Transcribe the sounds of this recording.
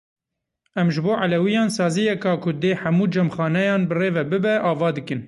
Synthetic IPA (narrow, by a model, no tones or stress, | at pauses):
ɛmʒɨboːʕalɛwijɑːnsɑːzijɛkɑːkʰʊd̪eːħamuːd͡ʒɛmxɑːnɛjɑːnbɨreːvɛbɨbɛʔɑːvɑːd̪ɨkɨn